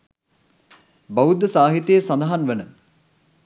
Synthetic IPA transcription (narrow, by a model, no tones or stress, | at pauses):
bɐud̪ːəsaːɦit̪eːsɐnd̪ɐɦanʋənə